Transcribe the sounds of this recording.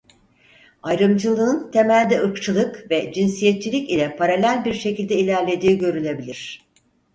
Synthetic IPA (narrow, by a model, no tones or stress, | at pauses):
ajɾɯmd͡ʒɯlˠɯːɯnt̪ʰe̞mælʲd̪ɛɯkt͡ʃʰɯlˠɯkvɛd͡ʒinsijɛt̪̚t͡ʃʰilʲicilʲɛpʰaɾalʲælʲbiɾʃe̞cilʲd̪ɛilʲæɾlʲe̞d̪iːɟø̞ɾynʲe̞bilʲiɾ̝̥